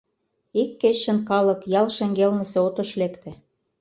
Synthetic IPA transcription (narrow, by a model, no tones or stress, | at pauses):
ikːet͡ɕːɘ̆nkɑlɤ̆kjɑlʃĕŋɡelnɘ̆seot̪ŏʃlekt̪ĕ